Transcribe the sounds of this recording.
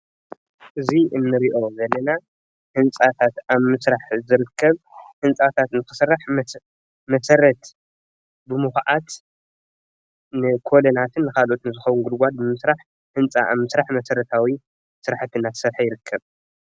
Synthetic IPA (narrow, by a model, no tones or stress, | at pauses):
ʔɨziʔɨnːɨɾiʔo̞zɐlːɐna | hɨnt͡sʼat̪ʰat̪aβmɨsɾaħzɨɾɨkʰːɐβhɨnt͡sʼat̪ʰat̪nɨkɨsɨrːaħm | mɐsɐɾɐt̪ | bɨmuxʕat̪ | nɨkʰo̞lonat̪ʰɨnːɨkʰalʔot̪nɨzɨxɐwunɡulɡʷad̪̚bɨmɨsɾaħ | hɨnt͡sʼa̰ʔa̰βmɨsɾaħmɐsɐɾɐt̪ʰawi | sɨɾaħt̪ʰɨnːat̪ʰɨ̥sɐɾħajɪɾɨkʰːɐβ